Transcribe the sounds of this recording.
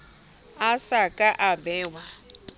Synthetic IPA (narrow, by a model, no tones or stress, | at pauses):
asakʼaʔabɛːwa